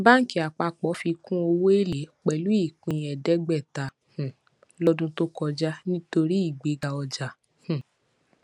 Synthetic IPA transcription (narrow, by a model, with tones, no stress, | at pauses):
ba˦ŋ̩˦ki˨˦a˨k͡pa˧k͡pɔ˨˦fi˧kũ˦o˧wo˦e˦˨le˨˦k͡pɛ˨lu˨˦i˦˨kũ˨˧˦j̃ɛ˨dɛ˦ɡ͡bɛ˦˨ta˨˦ | h̩˨ | lɔ˦dũ˦to˦kɔ˧d͡ʒa˦nĩ˦to˧ɾi˦i˦˨ɡ͡be˨˦ɡa˧ɔ˧d͡ʒa˨ | h̩˨